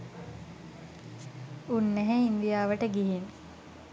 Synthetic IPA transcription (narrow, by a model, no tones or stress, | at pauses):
unːæɦeind̪ijaːʋəʈəɡiɦin